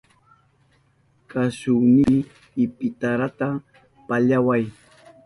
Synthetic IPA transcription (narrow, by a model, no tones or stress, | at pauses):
kasʊniː | ɪpɪt̪aɾat̪a | paʎawaj